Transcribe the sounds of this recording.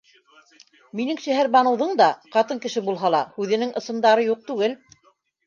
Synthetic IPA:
minɘŋʃæɦæɾbɑnɤ̆wðɤɴd̪ɑqɑt̪ɤŋkɘ̆ʃɘbulˠɦɑlˠɑhʉðɘ̆nɘŋʔɤ̆sɤ̆nd̪ɑɾɤjuq̚t̪ʉɡɘl

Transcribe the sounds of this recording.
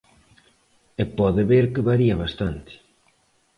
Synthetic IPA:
epɔðɪβeɾkɪβaɾiɐβast̪ant̪ɪ̥

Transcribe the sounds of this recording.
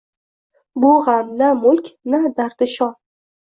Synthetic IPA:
bʊhamnamʊlkʲnad̪aɾd̪ɪʃɒ

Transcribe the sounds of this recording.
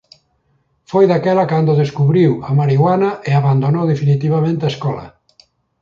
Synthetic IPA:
fojðakɛlakand̪oðeskuβɾiwamaɾiɣwanaʔeaβand̪onowðefinit̪iβamẽnt̪eaeskɔla̰

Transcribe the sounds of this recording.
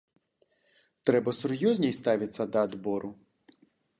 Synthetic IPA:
t̪ɾɛbɐsʊrjɔzʲnʲijst̪ɑʋʲɪt̪sʲɐd̪ɐːd̪bɔɾʔʊ

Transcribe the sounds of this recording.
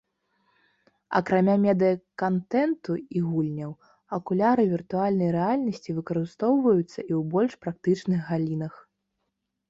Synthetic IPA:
ɐ̰kɾamʲamʲɛd̪ɨjɐkant̪ɛnt̪uiɣulʲnʲɐw | ɐkulʲaɾɨvʲirt̪ualʲnɐjɾɛalʲnɐsʲt͡sʲivɨkɐɾɨst̪ɔwvɐjut̪sːɐʔiwbɔlʲʂpɾak̚t̪ɨt͡ʂnɨɣɣalʲinɐx

